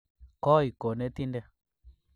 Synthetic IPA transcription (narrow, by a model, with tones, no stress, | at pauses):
kɔ˦i˨ko˨nɛ˦ti˦ndɛ˦